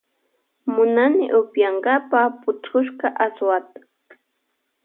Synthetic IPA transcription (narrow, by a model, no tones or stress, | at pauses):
mʊnanɪ̰ʔʊpjaɴɡapapʊt͡ʃkʊʃɢɑʔaswat̪ḁ